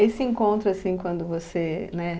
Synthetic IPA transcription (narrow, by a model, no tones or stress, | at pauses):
esɪẽŋkõnt̪ɾʊasĩkwɐ̃nd̪ʊvosenɛ